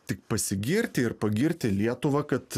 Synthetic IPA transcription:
t̪ʲɪk̚pɐsʲɪɡʲɪɾʲt̪ʲɪɪɾpɐɡʲɪɾʲt̪ʲɪlʲiɛt̪ʊʋɐkɐt̪

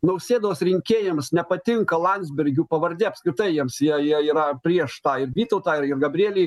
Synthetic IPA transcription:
nɐʊsʲeːd̪oːsɾʲɪŋʲkʲeːjɛmsnʲɛpɐt̪ʲɪŋkɐlˠɐnʲzʲbʲɛɾʲɡʲuːpɐʋɐɾʲd̪ʲeːɐpskɾʲɪt̪ɐɪjiɛmsjiɛjiɛiːɾɐpʲɾʲiɛʃt̪ɑːɪɾʋʲiːt̪ɐʊt̪ɑːɪɾɪrɡɐbʲɾʲɪieːlʲiː

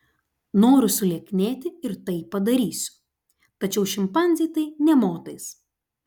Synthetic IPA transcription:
noːɾʲʊsʊlʲeɛkʲnʲeːt̪ʲɪɪɾt̪ɐɪpɐd̪ɐɾʲiːsʲʊ̥ | t̪ɐt͡ʃʲɛʊʃʲɪmpɐnʲzʲit̪ɐɪnʲɛmoːt̪ɐɪs

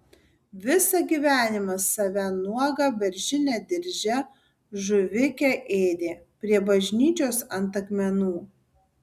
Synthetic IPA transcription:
ʋʲɪsɐɡʲiːʋʲæːnʲɪmɐsɐʋʲænuɔɡɐbʲɛɾʲʒʲɪnʲɛd̪ʲɪɾʲʒʲɛ | ʒʊʋʲɪkʲɛʔeːd̪ʲeːpʲɾʲiɛbɐʒʲnʲiːt͡ʃʲoːsɐnt̪ɐkmʲɛnuː

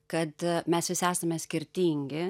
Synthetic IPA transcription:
kɐt̪mʲɛsʋʲɪsæːsɐmʲɛsʲkʲɪɾʲt̪ʲiːŋʲɡʲɪ

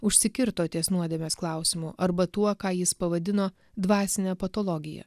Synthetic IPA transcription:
ʊʃʲsʲɪkʲɪɾt̪oːt̪ʲiɛsnuɔd̪ʲɛmʲeːsklˠɑˑʊsʲɪmuʔɐɾbɐt̪uɔkɑːjɪspɐʋɐd̪ʲɪnoː | d̪ʋɑːsʲɪnʲɛpɐt̪oːlˠɔɡʲɪjɛ̰

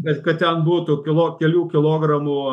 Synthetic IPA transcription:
kɐtkɐtt̪ʲɛnbuːt̪ʊkʲɪlˠoːkʲɛlʲuːkʲɪlˠoːɡrɐmuː

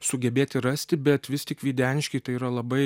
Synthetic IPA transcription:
sʊɡʲɛbʲeːt̪ʲɪɾɐsʲt̪ʲɪbʲɛt̪ʋʲɪst̪ʲɪkʋʲiːd̪ʲæːnʲɪʃʲkʲɛɪt̪ɐɪiːɾɐlˠɐbɐɪ

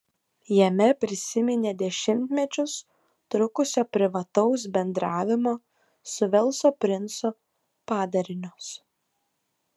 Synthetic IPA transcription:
jɛmʲɛpʲɾʲɪsʲɪmʲɪnʲeːd̪ʲɛʃʲɪmʲt̪ʲmʲɛt͡ʃʲʊs | t̪ɾʊkʊsʲoːpʲɾʲɪʋɐt̪ɒʊs̬bʲɛnd̪ɾɑːʋʲɪmoː | sʊʋʲɛlˠsoːpʲɾʲɪnso | pɑːd̪ɐɾʲɪnʲos

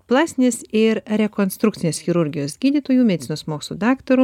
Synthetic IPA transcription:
plˠɑːsʲɪnʲesɪɾɾʲɛkoːnst̪ɾukt̪ʲɪnʲeːsxʲɪɾʊɾʲɡʲɪjoːsɡʲiːd̪ʲiːt̪oːjuːmʲɛd̪ʲɪt̪t͡s̪ʲɪnoːsmoːkʲslˠuːd̪ɑːkt̪oɾu

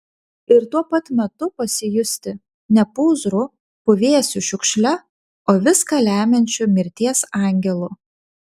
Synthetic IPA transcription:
ɪɾt̪uɔpɐt̪mʲɛt̪ʊpɐsʲɪjʊsʲt̪ʲɪ | nʲɛpuːzɾʊ | pʊʋʲeɛsʲʊʃʲʊkʃʲlʲɛ | oːʋʲɪskɐlʲæːmʲɛnʲt͡ʃʲʊmʲɪɾʲt̪ʲiɛsɑˑŋʲɡʲɛlˠʊ

